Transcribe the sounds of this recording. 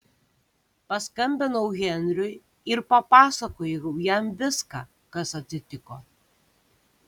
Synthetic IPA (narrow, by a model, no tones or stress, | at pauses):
pɐskɐmʲbʲɪnɐʊɣʲɛnʲɾʲʊj | ɪɾpɐpɑːsɐkoːjʊjɛmʋʲɪskɑː | kɐsɐt̪ʲsʲɪt̪ʲɪkoː